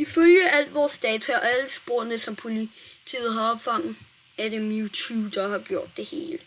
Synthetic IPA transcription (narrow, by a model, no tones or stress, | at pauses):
iføljəæl̰d̥ʋɒːsd̥ɛːt͡sʰuɒæləsb̥o̝ɐ̰nəsɒ̽mpʰo̝lit͡sʰḭːð̞̩ˠɦɑ̈ɒ̽b̥fɑ̈ŋ̰ð̩ˠ | ædemjut͡sʰuːd̥ɑhɑ̈ɡ̥jo̝ɐ̰d̥ːe̝he̝ːlə